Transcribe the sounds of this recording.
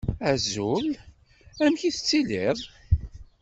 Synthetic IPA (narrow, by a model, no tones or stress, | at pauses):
æzul | æmçiθət͡sːiliðˤ